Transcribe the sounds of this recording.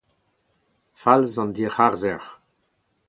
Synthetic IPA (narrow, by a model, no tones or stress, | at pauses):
falzɑ̃nd̪iːʁaʁzɛʁ